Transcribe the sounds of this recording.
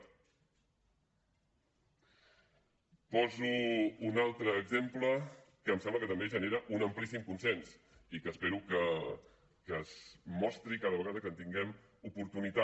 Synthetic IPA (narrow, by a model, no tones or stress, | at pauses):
pɔzuːnalˠt̪ɾəːɡzemplə | kəːmsɛmbləkət̪əmbeʒəneɾəʔunəmplisimkunsɛns | ikəːspeɾukə | kəzmɔst̪ɾikaðəβ̞əɣaðəkənt̪iŋɡɛm | upuɾt̪unit̪a